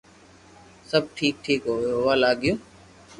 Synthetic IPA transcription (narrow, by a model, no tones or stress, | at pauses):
səb̚ʈʰiːk̚ʈʰiːkɦoːeɦʊʋaːlaːɠɪjũː